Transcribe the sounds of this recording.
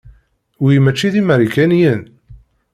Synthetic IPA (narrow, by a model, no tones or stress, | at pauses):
wimæt͡ʃːiðimæɾikænjən